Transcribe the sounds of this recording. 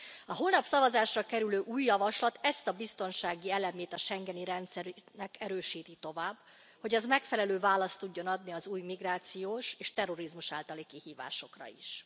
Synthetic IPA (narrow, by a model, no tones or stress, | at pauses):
ɒɦoːlnɒpsɒvɒzaːʃrɒkɛɾyløːʔuːjːɒvɒʃlɒt̪ɛst̪ɒbist̪o̞nʃaːɡiɛlɛmeːt̪ɒʃɛŋɡɛniɾɛnt̪sɛɾnɛkɛɾøːʃiːt̪it̪o̞vaːb | ho̞ɟɛzmɛkfɛlɛløːvaːlɒst̪ːuɟːo̞nɒd̪niɒzuːjmiɡraːt̪sijoːʃeːʃt̪ɛro̞ɾizmuʃaːlt̪ɒlikihiːva̰ːʃo̞krɒ̰ḭʃ